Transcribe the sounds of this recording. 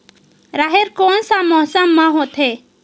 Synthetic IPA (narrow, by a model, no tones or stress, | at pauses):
ɾaːɦeɾkoːnsamɔːsamːãɦoːt̪ʰɦeː